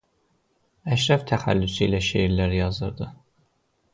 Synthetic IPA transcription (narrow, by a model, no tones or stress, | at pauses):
æʃɾɑft̪ʰæχæ̰lːysiiːlæʃeiɾlæɾijɑzɯɾd̪ɯ